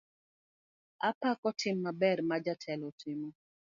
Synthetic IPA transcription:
apakɔtʰɪmːabɛrmad͡ʒatʰɛlɔtʰɪmɔ

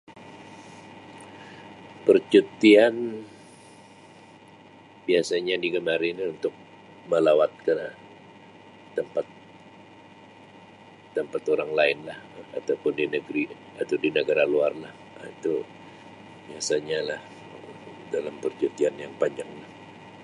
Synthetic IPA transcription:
pərt͡ʃut̪ian | biasaɲadiɡəmaɾɪnunt̪ʊk̚ | məlawat̪̚ka | əmpat̪ | əmpat̪oɾaŋlaɪnlaha̰t̪awpʊndinəɡɾi | at̪awdinəɡaɾaluarlah | it̪u | biasaɲalah | dalampərt͡ʃut̪ianjaŋpaɲd͡ʒaŋlah

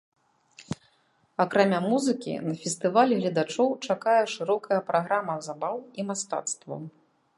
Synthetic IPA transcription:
akɾamʲamuzɨkʲḭnɐfʲɛst̪ɨvalʲɛɣlʲɐd̪at͡ʂɔwt͡ʂakajɛʂɨɾɔkʰɐjɐpɾaɣɾamɐzabawimast̪a̰t̪st̪vɐ̰w

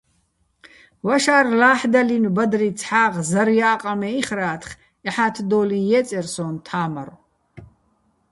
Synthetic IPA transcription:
waʃaːrlaːħd̪alinubad̪rit͡sʰħaːʁzɐɾjaːqʼamɛiχraːt̪ʰχ | ɛħat̪ʰd̪ɔːlijɛt͡sʼɛrsɔːnt̪ʰaːmaɾ

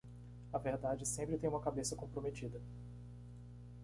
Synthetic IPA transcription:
ɐveɾd̪ad͡ʒɪsẽmpɾɪt̪ẽj̃ũmɐkabesɐkõpɾomet͡ʃid̪ɐ

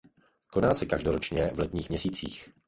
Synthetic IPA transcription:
konaːsɛkaʒdoɾot͡ʃɲɛvlɛt̪ɲiːɣmɲɛsiːt͡sḭːx

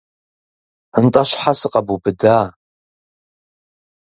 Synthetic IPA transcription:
əntʼɐɕħasɨqɐbubɨdaː

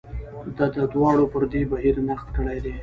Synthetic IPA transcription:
d̪ɑd̪əd̪wɑɽopəɾd̪ebaɦiɾnaxt̪kəɽajd̪e

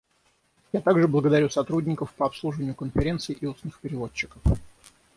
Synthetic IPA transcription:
jat̪aɡʐɨblˠəɡəd̪ɐɾʲusɐt̪ɾudʲnʲɪkəfpəɐpslˠuʐɨvənʲɪjʊkənfʲɪɾʲe̞nt̪sɨjʔiusnɨxpʲɪɾʲɪvo̞t͡ɕːɪ̥kəf

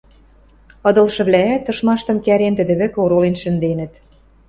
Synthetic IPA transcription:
ɤ̆d̪ɤ̆lʃɤ̆βlææt̪ːɤ̆ʃmɑʃt̪ɤ̆mkæɾent̪ɘ̆d̪ɘ̆βɘ̆koɾolenʃɘ̆nd̪enə̆t̪

